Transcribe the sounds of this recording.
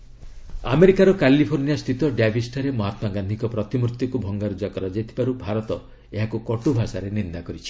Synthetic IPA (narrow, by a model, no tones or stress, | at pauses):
a̰meɾikaɾɔkalipʰoɾniast̪ʰit̪ɔɖabʱisʈaɾemɔɦat̪ɔmaɡand̪ʱikɔpɾɔt̪imɾut̪jikubʱɔŋɡaɾud͡ʒakɔɾɔd͡ʒet̪ʰi̥baɾubʱaɾɔt̪ɔ | eɦakukɔʈubʱasaɾenind̪akɔɾit͡ʃʰi̥